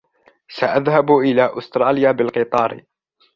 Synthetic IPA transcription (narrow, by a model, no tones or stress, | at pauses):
saʔaðhabʔɪlaːʔʊst̪ɾˤɑːlɪjaːbɪlqɨt̪ˤɑːɾ